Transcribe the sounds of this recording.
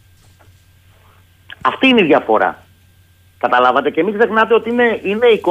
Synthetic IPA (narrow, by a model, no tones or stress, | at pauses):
ɐft̪iːiniðʝɐfo̞ɾɐ̰ | kɐt̪ɐlɐvɐt̪e̞cemikze̞xnɐt̪e̞o̞t̪ineine̞iko